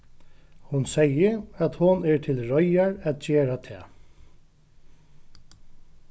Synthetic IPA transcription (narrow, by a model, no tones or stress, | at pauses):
hʊnsɛjəat̪hʊnɛɹt̪ʰɪlɹɔjaɹɛt̪̚d͡ʒeːɹat̪ʰɛ̰ː